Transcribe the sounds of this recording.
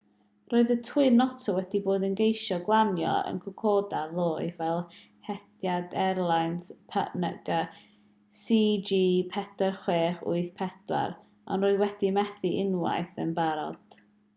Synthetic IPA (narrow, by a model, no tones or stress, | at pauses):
roːɨðətʰɨnɔtʰɔwɛd̥iboːdənɡejʃɔɡlˠanjɔ̰ə̰nkʰʊkʰɔdaðˠoːɨvɛlˠ | hɛd̥jadɛɾlˠajnspʰə̰ʔnəɡə | sid͡ʒiːpʰɛdarχweːχʊ̰ɨθpʰɛd̥wa̰ɾ | ɔ̰nroːɨðwɛd̥imɛθiʔɪnwa̰jθənbaɾɔ̰d̥